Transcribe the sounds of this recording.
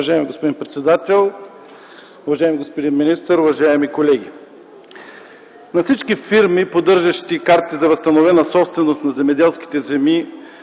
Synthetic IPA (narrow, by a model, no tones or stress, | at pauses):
ɐʒaɛmiɡospod̪inpɾɛt̪sɛd̪at̪ɛlˠ | ʊvɐʒaɛmiɡospod̪inminist̪əɾʊvɐʒaɛmikolɛɡ̟ʲi | nɐfsit͡ʃkifiɾmipod̪ɤɾʒɐʃt̪ikaɾt̪izɐvəst̪ɐnovɛnɐsɔpst̪vɛnost̪nɐzɛmɛd̪ɛlˠski̥t̪ɛzɛmi